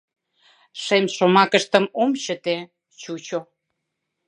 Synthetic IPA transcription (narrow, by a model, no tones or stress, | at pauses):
ʃemʃomɑkəʃt̪əmomt͡ɕət̪e | t͡ɕut͡ɕo